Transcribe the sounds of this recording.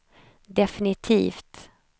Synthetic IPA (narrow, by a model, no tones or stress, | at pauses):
d̪ɛfɪnɪt̪ʰḭːft̪